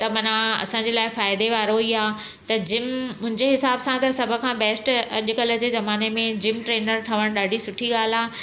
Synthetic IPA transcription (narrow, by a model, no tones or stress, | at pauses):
t̪ɐmɐnãɐ̰sãːɲd͡ʑeːlaːɪfaːɪd̪eʋaːɾoiaː | t̪ɐd͡ʑɪmmʊ̃ɦɪ̃ɲd͡ʑeɦɪsaːbsãt̪ɐsɐbʱʊ̆kʰãːbɛːsʈɐʄʊ̆kɐlə̆d͡ʑeːzɐmaːnemẽd͡ʑɪmʈɾeːnəɾʈʰɐʋəɽ̃ɗaːɖʱisʊʈʰiɠaːlaː